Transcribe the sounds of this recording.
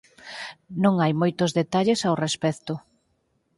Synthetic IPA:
nõŋajmojt̪ʊzðet̪aʎesawrespɛkt̪ʊ

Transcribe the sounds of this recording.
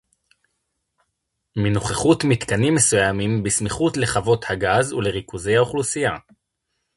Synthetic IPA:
menoχeχutmit̪kanimːe̞sujamimbismiχutle̞χavo̞thaɡazule̞ʁikuzejhaoχlusija

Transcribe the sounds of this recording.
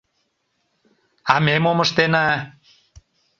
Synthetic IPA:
amemoməʃt̪enæ

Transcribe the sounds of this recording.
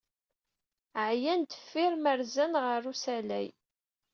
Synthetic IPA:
ʕjænt̪ə̥fːɪɾməɾzænʁərˤːusælæj

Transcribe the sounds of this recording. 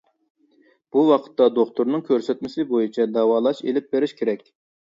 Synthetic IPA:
b̥uwɑqʰə̥t̪ːɑd̪oχt̪ʰʊɾnɨŋkʲʰøɾsɛt̪mɪsɪbojit͡ʃʰɛd̪ɑwɑːlˠɑʃelɪp̚beɾɪʃkʲʰeɾɛkʲ

